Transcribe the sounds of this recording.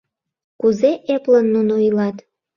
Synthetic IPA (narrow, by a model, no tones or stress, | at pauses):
kuzeʔeplənːunoilɑt̪